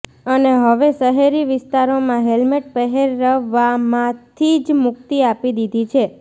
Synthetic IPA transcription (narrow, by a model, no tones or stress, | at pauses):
əneɦəʋesəɦeɾiʋɪst̪aɾomãɦelmeʈpəɦeɾːəʋamãt̪ʰid͡ʒmʊk̚t̪iapid̪id̪ʱit͡ʃʰe